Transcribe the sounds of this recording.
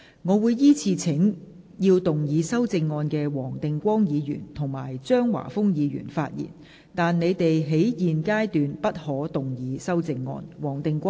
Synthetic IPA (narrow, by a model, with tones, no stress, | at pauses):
ŋɔː˨˧wuː˨˧jːiː˥t͡sʰiː˧t͡sʰɪ˨˥ŋ | jiː˧wt̪ʊ˨ŋjiː˨˧sɐ˥wt͡sɪ˧ŋːɔː˧nkɛː˧wɔː˨˩ŋt̪ɪ˨ŋkʷɔː˥ŋjiː˨˧jy̰ː˨˩nt̪ʰʊ˨˩ŋma̰ː˨˩jt͡ʃœː˥ŋwa̰ː˨˩fʊ˥ŋjiː˨˧ɥy̰ː˨˩nfaː˧t̚jḭː˨˩n | t̪aː˨nne˨˧jt̪e˨jɦe˨˥jjiː˨nkaː˥jt̪yː˨npɐ˥t̚hɔː˨˥t̪ʊ˨ŋjiː˨˧sɐ˥wt͡sɪ˧ŋːɔ̰ː˧nwɔː˨˩ŋt̪ɪ˨ŋkʷɔː˥